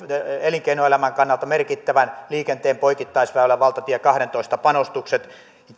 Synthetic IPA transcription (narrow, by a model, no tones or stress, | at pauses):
eliŋkeinoelæmæŋkɑnːɑlt̪ɑmerkit̪ːæʋænliːkent̪eːmpoikit̪ːɑisʋæˑolːˑæʋɑlt̪ɑt̪iekɑhɾent̪oist̪ɑpɑnost̪ukset̪